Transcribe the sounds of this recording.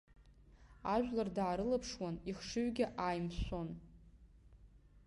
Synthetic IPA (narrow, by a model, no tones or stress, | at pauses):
aʒʷᶣlardaːɾɨlapʰʂwaniχʂɨɥɡʲɪʔajmsʷon